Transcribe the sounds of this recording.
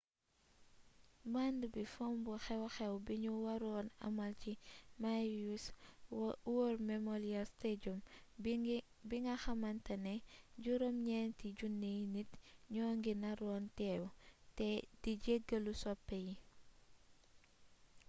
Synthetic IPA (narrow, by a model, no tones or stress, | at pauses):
mandbifɔmbuxɛwxɛwbiɲuwɐɾɔːnɐ̰mɐlcimajus | wormɛmɔliɐsteɟɔm | biŋɡɐxɐmɐntɐnɛɟuɾɔmɲɛntiɟunːijnitɲɔːŋɡinɐɾɔːntɛːwtɛd̥iɟeɡɐlusɔpːɛji